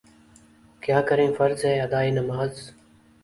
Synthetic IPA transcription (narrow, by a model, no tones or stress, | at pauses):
kjaːkəɾẽːfəɾzɦɛːəd̪aːiːnəmaːz